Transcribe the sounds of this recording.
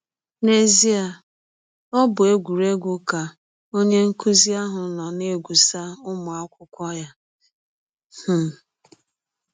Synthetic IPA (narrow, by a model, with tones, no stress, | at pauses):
ne˨zi˦a˨ | ɔ˦bʊ˨e˦ɡʷu˨ɾe˦ɡʷʊ˦ka˨ | o˦ɲe˦ŋ̩˦ku˦zi˦a˦ɦʊ˨˦lɔ˨ne˦˨ɡʷu˨sa˦ʊ˦mʊ˨a˦kʷʊ˦kʷɔ˦ja˦ | h̩˨